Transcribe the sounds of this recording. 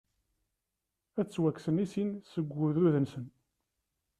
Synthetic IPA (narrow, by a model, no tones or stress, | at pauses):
æt͡sːwækːsənisinsəɡʷːʊðuðənsən